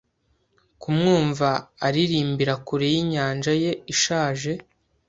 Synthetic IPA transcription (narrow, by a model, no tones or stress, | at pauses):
kumŋuːɱvaːɾiɾiːmbiɾakuɾejiɲaːnʒaje̞iʃaːʒe̞